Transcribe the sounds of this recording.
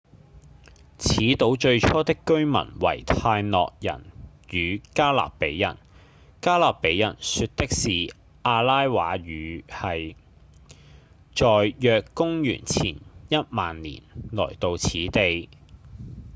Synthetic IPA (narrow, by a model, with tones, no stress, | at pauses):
t͡sʰiː˨˥t̪o˨˥wt͡ʃɵ˧ɥt͡ʃʰɔː˥t̪ɪ˥kːɵ˥ɥmɐ̰˨˩nwɐ̰˨˩jt̪ʰaː˧jnɔ̰ː˨k̚jɐ̰˨˩n | jyː˨˧kaː˥la̰ː˨k̚pe˨˥jːɐ̰˨˩n | kaː˥laː˨k̚pe˨˥jɐ˨˩nsy˧t̚t̪ɪ˥k̚siː˨ | ʔaː˧laː˥jwaː˨˥ɥyː˨˧hɐ˨j | t͡ʃɔː˨jjœː˨˧kːʊ˥ŋjy̰ː˨˩nt͡sʰḭː˨˩njɐ˥t̚maː˨nlḭː˨˩nlɔ̰ː˨˩jt̪o˧wt͡sʰiː˨˥t̪e˨j